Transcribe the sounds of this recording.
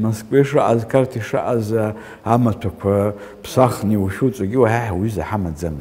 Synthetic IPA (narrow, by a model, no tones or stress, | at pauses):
moskʼveʂraʔazkʰartʰiʂa̰ʔaza | amatʷʰakʷʰa | pʰsaχniwʃut͡sʷʼaɡʲiwaħaħawyza̰ħamad͡zam